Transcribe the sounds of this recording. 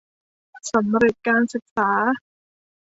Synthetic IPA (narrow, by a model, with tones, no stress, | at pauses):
sa˩˦mɾe˨˩t̪̚kaː˧nsɯ˨˩k̚saː˩˦